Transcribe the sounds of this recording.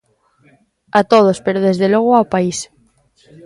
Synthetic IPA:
at̪oð̞ospeɾoðezðelɔɣ̞oapais

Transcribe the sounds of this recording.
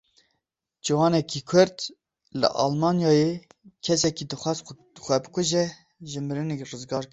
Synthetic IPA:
d͡ʒiwɑːnɛkikʰʊɾt̪ | lɨ̰ʔɑ̰ːlmɑːnjɑːjekʰɛsɛkid̪ɨxʷɑz | xʷɛbɨkʷʊʒɛ | ʒɨmɨɾɨnekrɨzɡɑːɾk

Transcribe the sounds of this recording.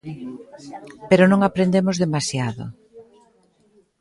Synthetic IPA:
peɾʊnõŋapɾẽnd̪emozðemasjaðʊ̰

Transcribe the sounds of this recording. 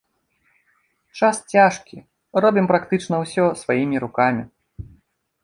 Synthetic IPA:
t͡ʂast͡sʲaʂkʲḭ | rɔbʲimpɾakt̪ɨt͡ʂn̪ɐwsʲɔsvajimʲiɾukamʲi

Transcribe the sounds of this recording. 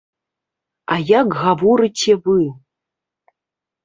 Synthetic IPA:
ajakɣavɔɾɨt͡sʲɛvɨ

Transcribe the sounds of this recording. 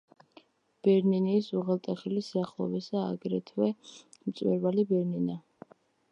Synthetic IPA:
b̥ɛɾniniːsuʁɛlˠt̪ʼɛχilisiaχlˠɔ̰vɛsa̰ːɡɾɛt̪ʰwɛmt̪sʼwɛ̰ɾvalibɛɾnina

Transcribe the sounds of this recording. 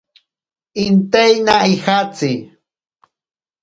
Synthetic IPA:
ɪnt̪ejnaixat͡sɪ

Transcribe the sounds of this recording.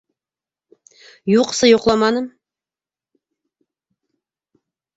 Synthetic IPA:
juqsɤjuqlˠɑmɑnɤm

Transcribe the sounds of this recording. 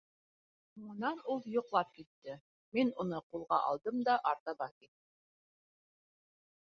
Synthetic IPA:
mŭnɑnulˠjŏqlˠɑp̚kit̪ːɘ | minŭnɤqulˠʁɑʔɑ̰lˠd̪ɤmd̪ɑʔɑɾt̪ɑβɑkit̪ːɘ

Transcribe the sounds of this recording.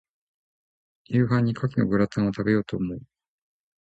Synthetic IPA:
jʲɯ̟ːɦãɲ̟ːikʰakʲino̞̰ɡɯ̟ɾat̪ãɰ̃o̞t̪abe̞jo̞ːt̪o̞ːmo̞ɯ

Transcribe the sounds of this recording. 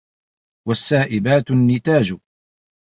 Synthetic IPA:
wasːaːʔɪbaːt̪nːɪt̪aːd͡ʒ

